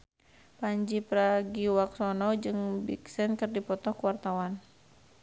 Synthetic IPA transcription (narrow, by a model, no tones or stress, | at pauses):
paɲd͡ʒipɾaɡiwaksɔnɔd͡ʒɨŋbḭksɛnkɨrdipɔt̪ɔhkuwart̪awan